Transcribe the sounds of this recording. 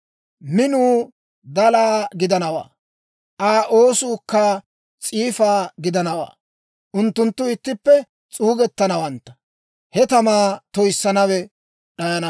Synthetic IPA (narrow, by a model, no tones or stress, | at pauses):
mɪnuː | d̪ɐlaːɡɪd̪ɐnɐwa̰ː | ʔaːʔoːsuːkːɐ | t͡sʼiːfaːɡɪd̪ɐnɐwa̰ː | ʔʊnt̪ːʊnt̪ːʊɪt̪ːɪpːɛ | t͡sʼuːɡɛt̪ːɐnɐwɐnt̪ːɐ̥ | hɛt̪ɐmaːt̪ɔjsːɐnɐwɛ | ɗɐjɐnɐ